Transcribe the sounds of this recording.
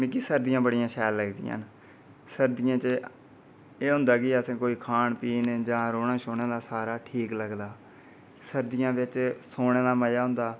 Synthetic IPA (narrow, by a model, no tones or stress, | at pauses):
mẽːkisəɾd̪ijãːbəɽɪjãːʃɛːlːəɡd̪ɪ̰ja̰ːn | səɾd̪ɪjãːt͡ʃ | eːɦʊ̃nd̪aːɡiːəsẽːkoːiːkʰaːɳpiːnd͡ʒãːɾoːnaːʃoːneːlaːsaːɾaːʈʰiːkləɡd̪aː | səɾd̪ɪjãːʋɪt͡ʃsoːɳeːlaːməjaːɦʊ̃nd̪aː